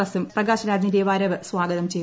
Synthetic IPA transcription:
ɐsumprɐɡaːɕɐɾaːd͡ʑɐndeːʋaːɾɐʋɨswaːɡɐðɐmt͡ɕe̞j

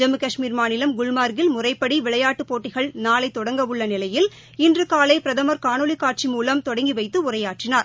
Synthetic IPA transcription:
d͡ʒɐmɯkɐʂmiːɾmaːnɪlɐmɡʊɭmaːɾɡɪlmʊrɐɪpːɐɽiʋɪɭɐjaːʈːɯpoːʈːɪɣɐɭnaːlɐɪt̪ːɔɽɐŋɡɐʋɯɭːɐnɪlɐjɪl | ɪndrɯkaːlɐɪpɪɾɐðɐmɐɾkaːnɔɭikːaːʈ̚t͡ʃimuːlɐmt̪ɔɽɐŋɡiʋɐɪt̪ːɯʊrɐjaːʈrɪnaːɾ

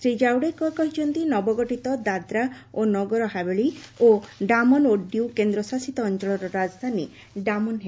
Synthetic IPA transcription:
sɾid͡ʒawɽekɔkɔɦit͡ʃʰɔnt̪inɔbɔɡɔʈit̪ɔd̪ad̪ɾaonɔɡɔɾɔɦabeɭioɖamɔnoɖiukend̪ɾɔsasit̪ɔːnt͡ʃɔɭɔɾɔɾad͡ʒɔd̪ʱani | ɖamɔnɦe

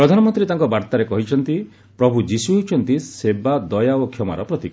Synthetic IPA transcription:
pɾɔd̪ʱanɔmɔnt̪ɾit̪aŋkɔbaɾt̪aɾekɔɦit͡ʃʰɔnt̪i | pɾɔbʱud͡ʒisuɦet͡ʃʰɔnt̪isebad̪ɔjaokʰjɔma̰ɾɔpɾɔt̪ikɔ

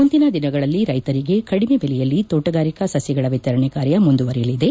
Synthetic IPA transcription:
und̪inɐd̪inɐɡɐɭɐlːiɾɐjt̪ɐɾiɡe̞kɐɽimebelɛjɐlːit̪oːʈɐɡaːɾikɐsɐsjɐɡɐɭɐʋit̪ɐɾɐɳɛkaːɾjɐmund̪uʋɐɾjɐlid̪e̞

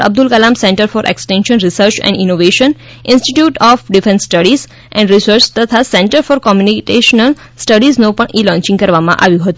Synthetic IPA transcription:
ə̰b̚d̪ʊlkəlamsẽɳʈəɾfɔːɾʔḛksʈẽnʃənɾisəɾt͡ʃɛ̰̃ɳɖinoʋeʃən | ɪ̃nsʈiʈjuːʈɔfɖifʰẽnsːʈəɽiz | ʔɛ̰̃ɳɖɾisəɾt͡ʃt̪ət̪ʰasẽɳʈəɾfɔːɾkɔmjunikeʃənəl | sʈəɖiznõpəɳʔiːlɔ̃ːɲt͡ʃĩŋɡkəɾʋamã̰ʔa̰ʋjũɦət̪ũ

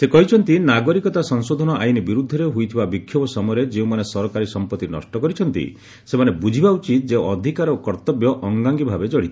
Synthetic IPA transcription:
sekɔɦit͡ʃʰɔnt̪inaɡɔɾikɔt̪asɔŋsod̪ʱɔnɔʔajnibiɾud̪ʱːɔɾeɦujt̪ʰibabikʰːjɔbɔsɔmɔjɾed͡ʒeũmanesɔɾɔkaɾisɔmpɔt̪ːinɔ̰sʈɔkɔɾit͡ʃʰɔnt̪ḭ | semanebud͡ʒʱibaut͡ʃit̪d͡ʒeɔd̪ʱikaɾɔkɔɾt̪ɔbjɔʔɔŋɡaŋɡibʱabed͡ʒɔɽ̃it̪ʰi̥

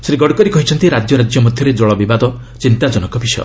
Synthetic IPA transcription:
sɾiɡɔɽkɔɾikɔɦit͡ʃʰɔnt̪iɾad͡ʒjɔɾad͡ʒjɔmɔd̪ʱjɔɾed͡ʒɔɭɔbibad̪ɔ | t͡ʃint̪ad͡ʒɔnɔkɔbʱisɔjɔ̰

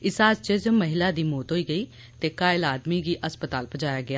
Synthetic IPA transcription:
ɪsaːst͡ʃɪd͡ʒməɦɪlaːd̪iːmoːt̪ɦoːiːɡəiː | t̪eːkaːɪlaːd̪miːɡiːʔəspət̪aːlpəd͡ʒaːjaːɡɪaː

